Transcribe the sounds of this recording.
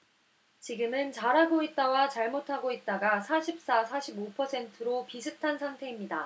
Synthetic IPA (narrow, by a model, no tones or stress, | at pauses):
t͡ɕiɡɯmɯnt͡ɕaɾɦaɡoit̚t͈awat͡ɕaɭmotʰaɡoit̚t͈aɡasʰaɕʰip̚s͈asʰaɕʰibopʰʌsʰe̞ntʰɯɾopisʰɯtʰansʰaŋtʰe̞imɲida